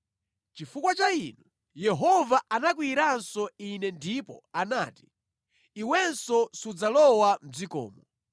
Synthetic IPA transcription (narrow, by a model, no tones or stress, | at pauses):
t͡ʃifukwat͡ʃainu | jɛɦɔvaʔanak̬wiɾansɔinɛndipɔ̰anaːti̥ | iwɛnsɔsud͡zalɔwam̩d͡zikɔ̰ːmɔ